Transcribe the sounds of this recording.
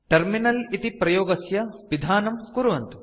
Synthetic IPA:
ʈɐɾminɐlit̪ipɾɐjoːɡɐsjɐʋid̪ʱaːnɐmkuɾʋɐnt̪u̥

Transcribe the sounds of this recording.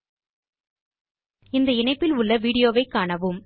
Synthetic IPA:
ɪnd̪ɐɪɳɐɪpːɪlʊɭːɐʋiːɽɪjoːʋɐɪkːaːɳɐʋɯm

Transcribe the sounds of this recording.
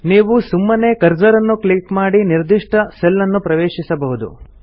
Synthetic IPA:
niːʋusumːɐne̞kɐɾd͡ʒɐɾɐnːukɭikmaːɽiniɾd̪iʂʈɐselːɐnːupɾɐʋeːʂisɐbɐɦud̪ṵ

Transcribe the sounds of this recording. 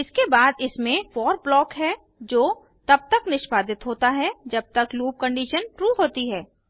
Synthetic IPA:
ɪskebaːd̪ɪsmẽfɔːɾblɔːkɦɛː | d͡ʒoː | t̪ɐb̚t̪ɐknɪʃbaːd̪ɪt̪ɦoːt̪aɦɛd͡ʒɐb̚t̪ɐkluːp̚kɐ̃ɳɖiːʃənʈɾuːɦoːt̪iɦɛː

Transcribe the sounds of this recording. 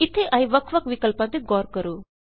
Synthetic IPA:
ɪt̪ʰːeʔɐiʋɐkʰʋɐkʋɪkəlpãt̪iɡɔːɾkɐɾuː

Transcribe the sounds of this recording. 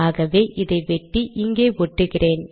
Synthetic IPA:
aːɣɐʋeːʔɪðɐɪʋɛʈːiʔɪŋɡeːʋɔʈːɯɣɪreːn

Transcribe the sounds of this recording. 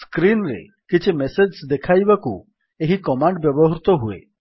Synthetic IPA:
skɾinɾḛ | kit͡ʃʰimesed͡ʒsd̪ekʰajbakṵ | eɦikɔmaɳɖbjɔbɔɦɾut̪ɔɦuḛ

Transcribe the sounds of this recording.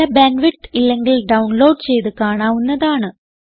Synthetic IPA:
ɐbenʋiʈːilːe̞ŋɡilɖɐwɳlo̞ːɖt͡ɕe̞jt̪ɨkaːɳaːʋunːɐðaːɳɨ

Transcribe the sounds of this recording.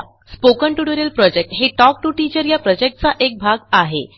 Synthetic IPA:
spokəɳʈuɽəɾelpɾɔd͡ʑek̚ʈɦeʈɔk̚ʈuʈid͡ʑəɾjapɾɔd͡ʑek̚ʈ̚t͡saʔek̚bʱaɡaɦḛ

